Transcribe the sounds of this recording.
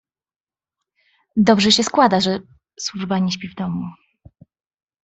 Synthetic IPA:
d̪ɔbʐɛɕɛskwad̪aʐɛ | swuʐbaɲɛɕ̬pʲivd̪ɔmu

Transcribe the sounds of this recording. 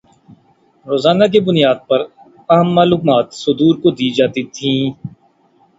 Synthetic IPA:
ɾoːzaːnak̬ebʊnijaːd̪̚pɐɾ | ɐɦəmːaːlʊkmaːt̪sʊd̪uːɾkod̪iːd͡ʒaːt̪it̪ʰĩː

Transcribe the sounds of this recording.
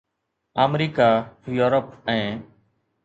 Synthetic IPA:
aːmɾiːkaːjuːɾəp̚ɛ̃ː

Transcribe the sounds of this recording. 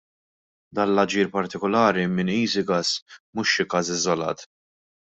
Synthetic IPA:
d̪ɐːnlɐd͡ʒiːɾpɐɾt̪ɪkɔlɐːɾimɪniːsɪɡɐsmʊʃːɪkɐːsɪzɔlɐ̰ːt̪

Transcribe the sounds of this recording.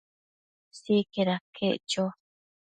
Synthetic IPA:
sikeɾakʰeʔt͡ʃo

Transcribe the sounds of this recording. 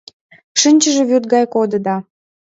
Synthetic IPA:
ʃɨnʲt͡ɕəʒĕβyrt̪̚ɡɑjkod̪əd̪ɑ

